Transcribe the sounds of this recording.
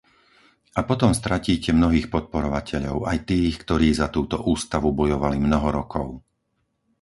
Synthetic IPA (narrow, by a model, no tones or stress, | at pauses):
apɔt̪ɔmst̪ɾaciːcɛmnɔɦiːxpɔt̪̚pɔɾɔʋacʰɛʎɔʊajt̪iːxkt̪ɔɾiːzat̪uːt̪ɔʔuːst̪aʋubɔjɔʋalimnɔɦɔɾɔkʰɔʊ